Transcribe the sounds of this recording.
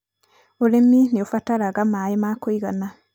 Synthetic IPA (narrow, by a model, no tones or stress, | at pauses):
uleminiofataɾaɡamajimakoiɣana